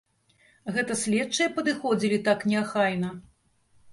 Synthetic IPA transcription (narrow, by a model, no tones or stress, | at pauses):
ɣɛt̪ɐsʲlʲɛtt͡ʂːɐjɛpɐd̪ɨxɔd͡zʲilʲit̪aknʲɛaxajnɐ